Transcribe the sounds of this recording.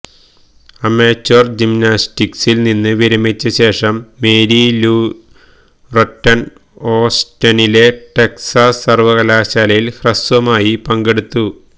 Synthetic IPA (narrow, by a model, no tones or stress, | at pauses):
ɐmeːt͡ɕːord͡ʑimnaːstiksilninːɨʋiɾɐmit͡ɕːɐɕe̞ːʂɐmːeːɾiluː | rɐʈːɐn | oːstɐnile̞ʈeksasːɐrʋɐkɐlaːɕaːlɐjilhrɐsʋɐmaːjipɐŋɡe̞ɽut̪ːu